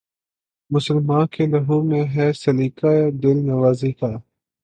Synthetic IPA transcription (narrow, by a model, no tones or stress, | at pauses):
mʊsəlmãːkeːləɦuːmẽːɦɛːsəliːkaːeːd̪ɪlnəʋaːziːkaː